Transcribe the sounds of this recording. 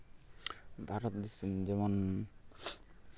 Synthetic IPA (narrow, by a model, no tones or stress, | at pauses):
bʱaɾɔt̪d̪isind͡ʒɛmɔn